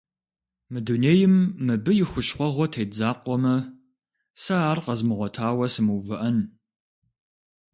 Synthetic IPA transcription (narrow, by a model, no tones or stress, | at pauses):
mɨduneːjɪmːɨbɨjɪxʷʊɕχʷɔʁʷɔtʰeːd͡zaːqʷɔmɐ | sɐaːrqɐzmɨʁʷɔtʰaːwɐsɨmuvɨʔɐn